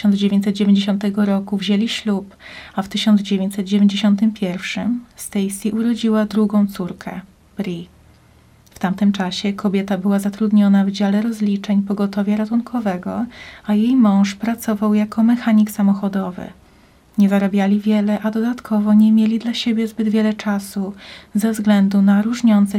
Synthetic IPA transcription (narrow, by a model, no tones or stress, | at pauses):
ɔnd̪zd͡ʑevʲẽɲt͡ɕ̪ʲsɛt̪̚d͡ʑevʲẽɲd͡ʑeɕɔnt̪ɛɡɔɾɔkuvʑelʲiɕlupaft̪ɘɕɔnd̪zd͡ʑevʲeɲt͡ɕ̪ʲsɛt̪̚d͡ʑevʲeɲd͡ʑeɕɔnt̪ɘmpʲjɛɾfʂɘmst̪ɛjsʲiʔuɾɔd͡ʑiwad̪ɾuɡɔ̃w̃t̪suɾkʰɛ̰ | b̥ɾʲi | ft̪amt̪ɘmt͡ʂaɕɛkʰɔbʲjɛt̪abɘwazat̪ɾud̪ɲɔnavd͡ʑalɛɾɔzlʲit͡ʂɛɲpɔɡɔt̪ɔvʲjɛɾat̪uŋkʰɔvɛɡɔ̰ajejmɔ̃w̃ʂpɾat̪sɔvawjakɔmɛxaɲiksamɔxɔd̪ɔvɘ̰ | ɲɛzaɾabʲjalʲivʲjɛlɛʔad̪ɔd̪at̪kʰɔvɔɲɛmʲjelʲid̪laɕebʲjɛzbɘd̪vʲjɛlɛt͡ʂasuzɛvzɡlɛnd̪unaɾuʐɲɔnt̪sɛ